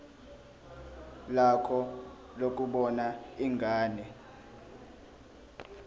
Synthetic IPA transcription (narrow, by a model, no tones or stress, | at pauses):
lakʰɔ | lok̬ʼuɓɔnaiŋɡʱaːnɛ